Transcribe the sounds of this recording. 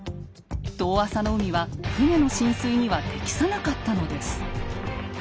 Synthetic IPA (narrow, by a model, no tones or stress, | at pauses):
d̪̥o̞ːasano̞ɯ̟mʲiβahɯne̞no̞ɕĩɰ̃sɨiɲ̟iβat̪e̞kʲi̥sanakat̪ːano̞d̪e̞sɨ̥